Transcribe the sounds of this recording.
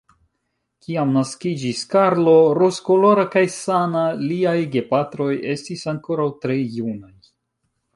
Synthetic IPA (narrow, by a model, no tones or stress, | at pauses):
kiamnaskid͡ʒiskaɾlo̞ɾosko̞lo̞ɾakajsanaliajɡe̞patɾo̞je̞stisaŋko̞ɾawtɾe̞junaj